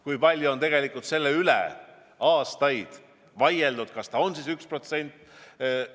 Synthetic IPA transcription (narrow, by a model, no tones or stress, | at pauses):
kujpɑlʲjuo̞nt̪e̞ɡ̥e̞likːˑult̪se̞lːe̞ylḛ | ɑːst̪ɑjd̪̥ | vɑje̞ld̪ud̪̥kɑst̪ɑonsiːsykspro̞t̪se̞nʲt̪ːˑ